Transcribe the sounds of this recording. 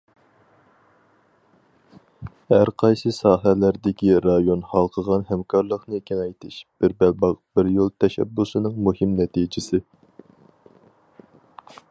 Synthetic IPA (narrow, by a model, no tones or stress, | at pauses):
hæɾqʰɑjsɨsɑːɦælæɾd̪ɪkʲiɾɑjonhɑlˠqʰəʁɑnhɛmkʰɑɾlˠəχnɨekʲʰɛnɛjt̪ʰɪʃb̥ɪɾbælbɑqb̥ɪɾjolˠt̪ʰɛʃɛ̰bːusɨnɨŋmuhɪmnɛt̪ʰid͡ʒɪsɪ